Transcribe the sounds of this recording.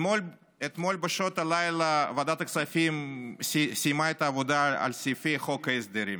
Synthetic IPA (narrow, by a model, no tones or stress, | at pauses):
olʲ | et̪molʲbɐʃot̪ɐlajlɐvɐd̪at̪ɐksafʲimssʲijmajt̪avod̪aɐ̰lʲsʲifixokɐezd̪eɾim